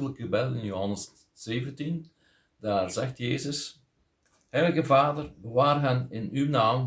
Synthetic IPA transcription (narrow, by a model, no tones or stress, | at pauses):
ələkɣəbɛtɪnjoɦɑnəsː | eːvəntin | d̥aːrzɛxtjeːzəs | hɛjləɣəvaːdərbəʋaːrɦɛnɪnywnaːm